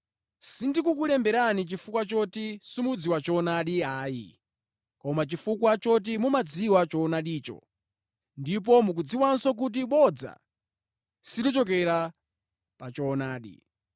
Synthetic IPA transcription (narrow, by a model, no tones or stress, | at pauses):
sindikukulɛmbɛɾanit͡ʃifukwat͡ʃɔtisumud͡ziwat͡ʃɔnaɗiɦaːi | kɔmat͡ʃifukwat͡ʃɔt̬imumad͡ziwat͡ʃɔnaɗiːt͡ʃɔ̰ | ndip̬ɔmuk̬ud͡ziwansɔk̬ut̬iɓɔd͡za̰ | siɗɔt͡ʃɔk̬ɛɾa | pat͡ʃɔnaːɗḭ